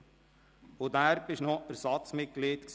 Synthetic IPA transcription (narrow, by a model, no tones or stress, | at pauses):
od̪æɾb̥ɪʃnɔəɾsɑt̪st͡smɪt̚ɡ̥leːt̪ks